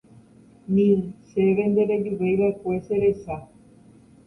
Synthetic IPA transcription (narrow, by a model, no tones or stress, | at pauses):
nĩseβend̪eɾed͡ʒuʋejβaekweseɾesa